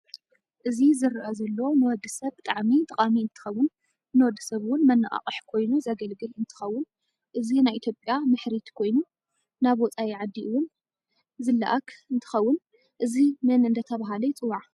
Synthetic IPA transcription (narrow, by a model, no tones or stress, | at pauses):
ʔɨzizɨɾʔɐzɐlːonɨwɔd̪ːɨsɐβt̪ʼaʕmit̪ʼɐχʼamiɨnt̪ʰɨ̥xɐwːʊn | nɨwɔd̪ːɨsɐβɨwʊnmɐnːaʔʼa̰χʼɨħkʰo̞jnuzɐɡɐlɡɨlɨnt̪ʰɨ̥xɐwːʊn | ʔɨzinajʔit̪ʰjo̞pʼjamɨħɾit̪kʰo̞jnu | naβɔt͡sʼajiʕad̪ːiɨwʊn | zɨlːa̰ʔakʰɨnt̪ʰɨ̥xɐwːʊn | ʔɨzimɨnɨnd̪ʰɐt̪ʰɐβaɦalɐjt͡sʼɨwːaʕ